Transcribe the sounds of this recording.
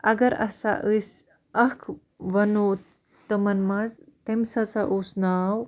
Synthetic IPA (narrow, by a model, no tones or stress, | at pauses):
ɐɡɐɾɐ̰sa̰ʔɨs | ɐkʰ | ʋɐno | t̪ɨmɐnmɐzt̪emsat͡saʔusnaːw